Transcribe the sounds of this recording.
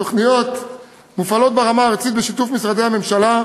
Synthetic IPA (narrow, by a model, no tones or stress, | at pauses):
oχnijo̞t̪ | mufalo̞t̪̚beʁamaːʁt͡sit̪̚beʃit̪ufmisʁad̪ehame̞mʃala